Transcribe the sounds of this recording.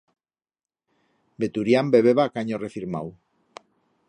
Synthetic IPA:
be̞t̪uɾiambe̞βe̞βakaɲore̞fiɾma̰w

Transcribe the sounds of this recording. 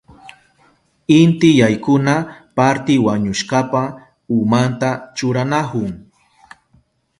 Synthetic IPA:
ɪnt̪ɪjajkʊnapaɾt̪ɪwaɲʊʃkapa | ʊmant̪at͡ʃʊɾanakʊŋ

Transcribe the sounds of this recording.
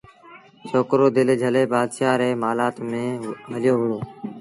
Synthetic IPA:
soːkɾoːd̪ɪld͡ʒʱəleːbaːd̪ʃaːɾeːmaːlaːt̪mẽːɦəlɪjoːɦʊɽoː

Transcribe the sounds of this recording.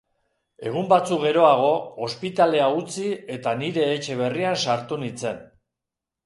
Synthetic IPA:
e̞ɣ̞umbat͡sukɣe̞ɾo̞aɣ̞o̞ospit̪ale̞aut͡sie̞t̪aniɾe̞ːt͡ʃe̞β̞e̞riansaɾt̪unit͡se̞n

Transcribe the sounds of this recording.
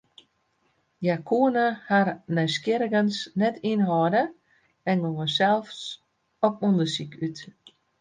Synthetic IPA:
jakʰuənəharnœɥskjɪɾəɡənsnɛtʰinɦɔːdə | ɛnɡowəsɛlˠfs | ɔpɔndəsikyt

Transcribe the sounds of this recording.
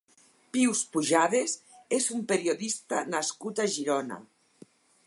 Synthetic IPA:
piwspuʒaðes | ezumpeɾioðist̪anaskut̪aʒiɾɔna̰

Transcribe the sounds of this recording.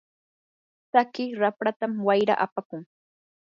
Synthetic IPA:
sakɪɾapɾat̪amwajɾa̰ʔapakʊŋ

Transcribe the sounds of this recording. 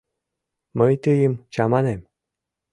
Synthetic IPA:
məjt̪ɨjəmt͡ɕɑmɑnem

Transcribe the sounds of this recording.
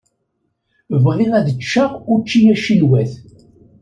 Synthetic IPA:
vʁiʁæðət͡ʃːaʁʊɾt͡ʃːijæʃilwæθ

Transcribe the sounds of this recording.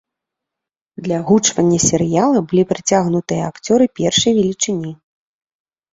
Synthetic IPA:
d̪lʲɐɣut͡ʂvɐnʲːɐsʲɛɾɨjalˠɐbɨlʲipɾɨt͡sʲaɣnut̪ɨjɐakt͡sʲɔɾɨpʲɛrʂɐjvʲɛlʲit͡ʂɨnʲi

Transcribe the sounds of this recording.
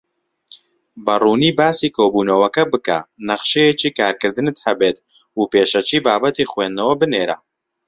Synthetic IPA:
bɐruːniːbaːsiːkʰoːbuːnɐwɐkɐbɨka̰nɐχʃejet͡ʃiːkaːɾkɨɾd̪ɨnɨt̪hɐbeːt̪̚ | upeːʃɐt͡ʃiːbaːbɐt̪iːχweːnd̪ɐwɐbɨneːɾa̰

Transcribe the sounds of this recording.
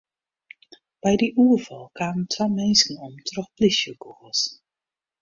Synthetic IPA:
b̥ɛjdiʔuərvɑlˠkʰaːməntʰʋamɛnsənɔmtrɔxplisjəkoəs

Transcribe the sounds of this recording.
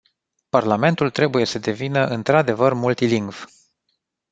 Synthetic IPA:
parlame̞nt̪ult̪ɾe̞buje̞səd̪e̞vinəʔɨnt̪ɾad̪e̞vərmult̪iliŋɡv̥

